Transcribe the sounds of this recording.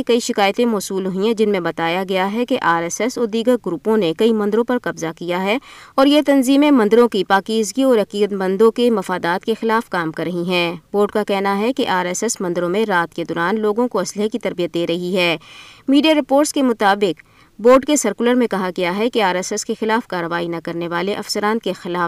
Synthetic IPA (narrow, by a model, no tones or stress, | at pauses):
ekɐiʃɪkaːjt̪ẽmɔːsuːlɦʊɦĩɛ̃d͡ʒɪnmẽbɐt̪aːjaɡɐjaɦɛkeʔaːɾɛːsɛsɔːɾd̪iːɡəɾɡɾuːpõnekɐimɐ̃nd̪əɾõpɐɾkɐbzakijaɦɛɔːɾjet̪ɐnziːmẽmɐ̃nd̪əɾõkipaːkiːzɡiɔːɾɐqiːɡət̪mɐ̃nd̪õkemɐfaːd̪aːt̪kexɪlaːfkaːmkɐɾːɐɦiɦɛ̃ːboːɖkakɛɦnaɦɛkeʔaːɾɛsɛsmɐ̃nd̪ɾõmẽɾaːt̪ked̪ɔːɾaːnloːɡõkoɐslɪɦekit̪ɐɾbijət̪̚d̪eːɾɐɦiɦɛːmiːɖijaɾɪpoːɾʈskemʊt̪aːbɪq | boːɖkesɐɾkʊləɾmẽkɐɦaɡɐjaɦɛkeaːɾɛsɛskexɪlaːfkaːɾːəʋaːinɐkɐɾneʋaːleʔɐfsəɾãːnkexɪlaːf